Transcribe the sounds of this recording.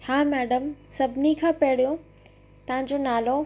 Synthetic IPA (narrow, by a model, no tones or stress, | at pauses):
hãːmɛːɖəmsɐbʱnikʰãːpeɽ̤ijõ | t̪ɐɦãɲ̆d͡ʑonaːlo